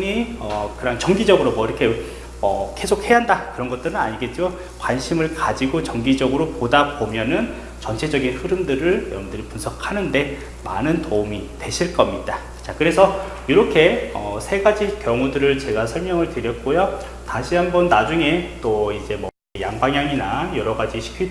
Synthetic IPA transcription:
ɲiʌkɯɾaŋt͡ɕʌŋɡid͡ʑʌɡɯɾomʌiɾʌkʰe̞ | ʌke̞sʰok̚he̞aɦandakɯɾʌnɡʌt͈̚ɯɾɯna̰ɲiɡe̞t̚t͡ɕ͈o | kwanɕʰimɯɭkad͡ʑiɡot͡ɕʌŋɡid͡ʑʌɡɯɾopodabomjʌnɯn | t͡ɕʌnt͡ɕʰe̞d͡ʑʌɡinɸɯɾɯmdɯɾɯɭjʌmdɯɾipunsʰʌkʰanɯnde̞ | manɯntoumitwe̞ɕʰiɭk͈ʌmɲid̥a | t͡ɕakɯɾe̞sʰʌ | jiɾʌkʰe̞ʌ̰sʰe̞ɡad͡ʑikjʌŋudɯɾɯɭt͡ɕe̞ɡasʰʌɭmjʌŋɯɭtɯɾjʌt̚k͈ojo | taɕʰiɦambʌnnad͡ʑuŋe̞t͈oid͡ʑe̞mʌ | jaŋbaŋjaŋinajʌɾʌɡad͡ʑiɕʰi̥kʰi

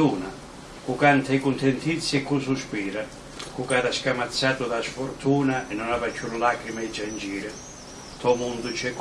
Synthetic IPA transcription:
uːna | kukant̪ʰɛikunt̪ɛnt̪ʰit̪sːjɛkːususpiːɾa | kukaːd̪askamat̪sːaːt̪ud̪asfurt̪ʰuːnaʔɛnːɔnavat͡ʃːuɾlaːkɾimaid͡ʒand͡ʒiːɾɪ | t̪ʰɔmund̪ʊt͡ʃɛkː

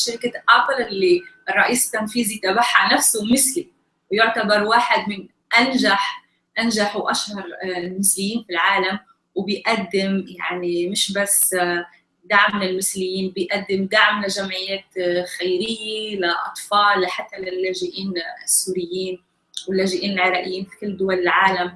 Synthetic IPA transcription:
ʃaɾɪkat̪ʔɑːfˤɨlʔɪlːiʔɨrˤːɑʔiːst̪ːanfiːzit̪abaħːaʕnafsʊwmɪsli | wjʊʕt̪abɑɾˤwaːħɪd̪mɪn | ʔanʒaħ | ʔanʒaħwʔaʃhɑɾˤɪlmɪslɪjːiːnfilʕaːlam | wbɪjʔad̪ːɪmja̰ʕnimɪʃbasː | d̪aʕmɪnɪlmɪslɪjːiːnbɪjʔad̪ːɪmd̪aʕmlaʒamʕɪjːeːt̪xajɾɪjːelaʔɑ̰t̪ˤfɑːlːaħat̪ːalɪlːaːʒɪʔiːnɪsːuːɾɪjːiːn | wɪlːaːʒɪʔiːnɪlʕɪɾˤɑːʔɪjːiːnfi̥kɪlːd̪ʊwalɪlʕaːlam

